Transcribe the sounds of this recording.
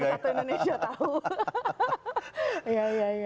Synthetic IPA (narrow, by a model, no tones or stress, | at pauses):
iat̪oindonesiat̪aɦu | ijajaja